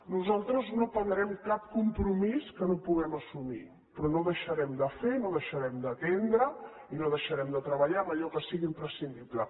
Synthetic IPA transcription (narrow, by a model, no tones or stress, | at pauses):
nuzalˠt̪ɾəznopənɾɛmkap̚kumpɾumiskənopuɣɛməsumḭ | pɾɔnoðəʃəɾɛmd̪əfenoðəʃəɾɛmd̪ət̪end̪ɾə | inoðəʃəɾɛmd̪ət̪ɾəβəʎaməʎɔkəsiɣimpɾəsind̪iplə